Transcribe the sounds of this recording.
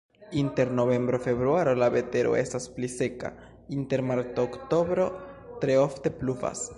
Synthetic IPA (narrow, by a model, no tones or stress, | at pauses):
inte̞ɾno̞ve̞mbɾofe̞βɾuaɾo̞labe̞te̞ɾo̞̰e̞stasplise̞ka̰ | inte̞ɾmaɾtoːkto̞bɾo̞tɾe̞ofte̞pluva̰s